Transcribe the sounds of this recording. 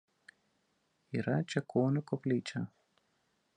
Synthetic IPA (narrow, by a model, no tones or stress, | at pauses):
iːɾɐt͡ʃʲɛkʰoːnʲʊkɔpʲlʲiːt͡ʃʲɐ